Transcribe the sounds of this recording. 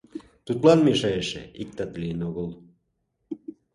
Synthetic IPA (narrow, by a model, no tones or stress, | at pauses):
t̪ut̪lɑnmeʃɑjeʃḛik̚t̪ɑt̪lienoɣəlˠ